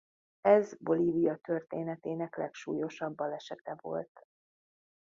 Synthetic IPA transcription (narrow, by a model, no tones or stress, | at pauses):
ɛzbo̞liːvijɒt̪ørt̪eːnɛt̪eːnɛklɛ̰kʃṵːjo̞ʃɒbːɒlɛʃɛt̪ɛvo̞̰lt̪